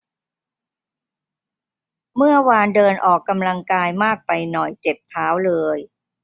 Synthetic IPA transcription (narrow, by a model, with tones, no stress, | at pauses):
mɯ˥˩ɐwaː˧ndɤː˧nʔɔː˨˩kːa˧mla˧ŋkaː˧jmaː˥˩k̚pa˧jnɔ˨˩jt͡ɕe˨˩p̚t̪ʰaː˦˥wlɤː˧j